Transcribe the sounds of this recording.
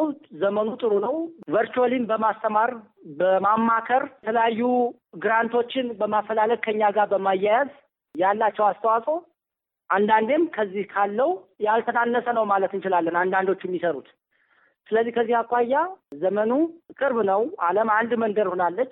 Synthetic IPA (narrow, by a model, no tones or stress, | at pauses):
zəmənut̪ʼɨɾunəwvəɾt͡ʃuəlinbəmast̪ʰəmaɾ | bəmamːakʰəɾt̪ʰələjajːu | ɡɨɾant̪ʰo̞t͡ʃːɪnbəmafːəlaləkkʰəɨɲːaɡabəmajːajaz | jalːat͡ʃːɛwast̪ʰəwasʼo | ʔand̪and̪emkʰəzːihkʰalːəwjalt̪ʰənanːəsənəwmalət̪ɨnt͡ʃɪlalːənand̪and̪o̞t͡ʃːɛmːisəɾut̪ | sɨləzːihkʰəzːihakʷʼːajːazəmənukʼɨɾbnəwaləmand̪mənd̪əɾhonalːət͡ʃː